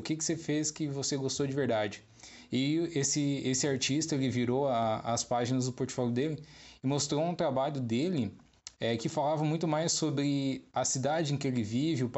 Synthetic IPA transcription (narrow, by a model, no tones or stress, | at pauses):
ʊkɪkɪ̥sefeskɪvoseɡost̪owd͡ʒɪveɾd̪ad͡ʒɪ | ɪesɪesɪaɾt͡ʃist̪ɐelɪviɾowaɐspaʒinɐzd̪ʊpoɾt͡ʃɪ̥fɔljʊd̪elɪɪmost̪ɾoũt̪ɾabaʎʊd̪elɪ | ɛkɪfalavɐmũj̃t̪ʊmajsobɾɪɐsid̪ad͡ʒɪẽkɪelɪvivɪʊp